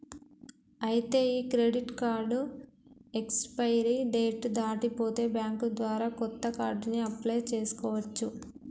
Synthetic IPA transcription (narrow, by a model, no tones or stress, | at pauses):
ɐjit̪e̞ːiːkɾeɖiʈkaːɾɖu | ekspɐjɾiɖeːʈd̪aːʈipo̞ːt̪e̞ːbjaːŋkud̪ʋaːɾaːkɔt̪ːɐkaːɾɖniɐpleːt͡ʃe̞ːsu̥kɔːʋɐt͡ʃːu